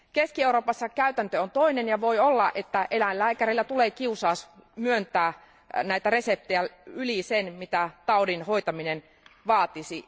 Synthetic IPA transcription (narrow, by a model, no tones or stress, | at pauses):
keskieuroːpɑsːɑkæyt̪ænt̪øont̪oinenjɑʋoiolːɑʔet̪ːæʔelællæːkæɾilːæt̪uleːkiusɑːsmyønt̪æː | næit̪æresep̚t̪ejæylisenmit̪æt̪ɑudinhoit̪ɑminen | ʋɑːt̪isi